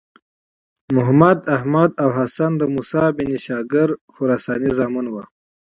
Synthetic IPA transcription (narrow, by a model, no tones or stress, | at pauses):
mʊɦmɐd̪ɐɦmad̪awɦɐsɐnd̪əmusaːbiniɕaːɡɪɾxʊɾaːsaːnizaːmunwa